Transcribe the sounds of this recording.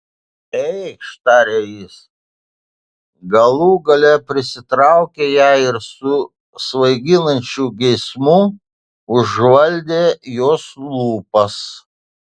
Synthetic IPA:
ɛɪkʃt̪ɑːɾʲejɪs | ɡɐlˠuːɡɐlʲɛpʲɾʲɪsʲɪt̪ɾɑˑʊkʲeːjæːɪɾsʊ | sʋɐɪɡʲɪnɐnʲt͡ʃʲuːɡʲɛɪsmu | ʊʒʋɐlʲd̪ʲeːjoːslˠuːpɐs

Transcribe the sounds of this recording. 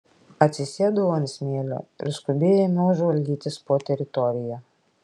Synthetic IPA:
ɐt̪ʲsʲɪsʲeɛd̪oʋɔnʲsʲmʲeːlʲo̰ːɪ̰ɾskʊbʲeːjɛnuɔʒʋɐlʲd̪ʲiːt̪ʲɪspoːt̪ʲɛɾʲɪt̪ɔɾʲɪjɛ

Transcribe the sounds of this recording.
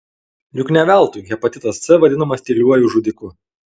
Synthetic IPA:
jʊknʲɛʋʲæˑlˠt̪uːjɡʲɛpɐt̪ʲɪt̪ɐssʲɛʋɐd̪ʲɪnɐmɐsʲt̪ʲɪlʲuɔjuʒud̪ʲɪkʊ

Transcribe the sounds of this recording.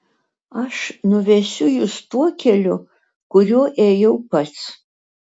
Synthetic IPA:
ɐʂnʊʋʲɛsʲʊjʊst̪uɔkʲʰɛlʲʊ | kʊɾʲuɔʔeːjɛwpɐt̪s

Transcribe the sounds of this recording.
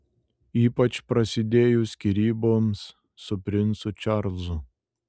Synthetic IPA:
iːpɐt͡ʃpɾɐsʲɪd̪ʲeːjʊsʲkʲiɾʲiːboːmsː | ʊpʲɾʲɪnˑsʊt͡ʃʲɑɾzʊ

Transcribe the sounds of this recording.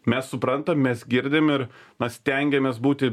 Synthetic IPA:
mʲɛssʊpɾɐnt̪ɐmmʲɛsɡʲɪɾʲd̪ʲɪmɪɾnɐsʲt̪ʲɛŋʲɡʲɛmʲeːsbuːt̪ʲɪ

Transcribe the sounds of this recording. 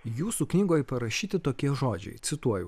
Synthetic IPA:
juːsuːknʲiːɡoːjpɐɾɐʃʲiːt̪ʲɪt̪oːkʲiɛʒoːd͡ʒʲɛ̰ɪt̪sʲɪt̪uɔjɛ

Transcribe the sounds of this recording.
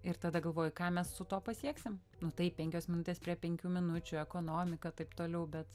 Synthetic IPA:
ɪɾt̪ɐd̪ɐɡɐlˠʋoːjʊkɑːmʲɛssʊt̪oːpɐsʲiɛksʲɪm | nʊt̪ɐɪppʲɛŋʲkʲoːsmʲɪnʊt̪ʲeːspʲɾʲiɛpʲɛŋʲkʲuːmʲɪnʊt͡ʃʲʊɛkoːnoːmʲɪkɐt̪ɐɪpt̪oːlʲɛʊbʲɛt̪

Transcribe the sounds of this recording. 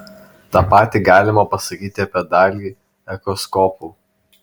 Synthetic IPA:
t̪ɑːpɑːt̪ʲiːɡɑːlʲɪmɐpɐsɐkʲiːt̪ʲɪɐpʲiɛd̪ɑːlʲiː | ɛkɾɔskɔːpuː

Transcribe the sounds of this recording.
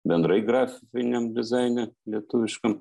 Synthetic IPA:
bʲɛnd̪ɾɐjɡrɑfʲɪfʲɪnʲɛmd̪ʲɪzɑɪnʲɛlʲiɛt̪uʋʲɪʃkɐm

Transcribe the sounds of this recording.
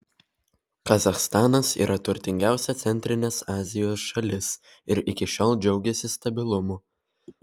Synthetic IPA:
kɐzɐxst̪ɑːnɐsḭːɾʔɐt̪ʊɾʲt̪ʲɪŋʲɡʲæˑʊsʲɛt̪sʲɛnʲt̪ʲɾʲɪnʲeːsɑːzʲɪjoːsʃɐlʲɪs | ɪɾɪkʲɪʃʲoːlˠd͡ʒʲɛʊɡʲɛsʲɪst̪ɐbʲɪlˠʊmu

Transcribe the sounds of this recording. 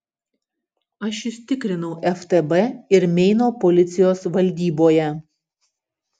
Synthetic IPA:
ɐʃɪʃʲt̪ʲɪkɾʲɪnɐʊʔɛft̪ɛbɛɪɾmʲɛɪnoːpɔlʲɪt̪sʲɪjoːsʋɐlʲd̪ʲiːboːjɛ

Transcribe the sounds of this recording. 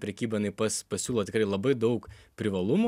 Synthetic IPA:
pʲɾʲɛkʲiːbɐjɪnɐɪpɐspɐsʲuːlˠɐt̪ʲɪkɾɐɪlˠɐbɐɪd̪ɐʊkpʲɾʲɪʋɐlˠʊmu

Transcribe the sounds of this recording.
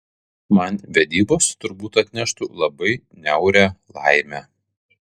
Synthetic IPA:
mɐnʋʲɛd̪ʲiːboːst̪ʊɾbuːt̪ɐt̪ʲnʲɛʃt̪uːlˠɐbɐɪ | nʲɛʊɾʲæːlˠɑ̰ɪmʲæ

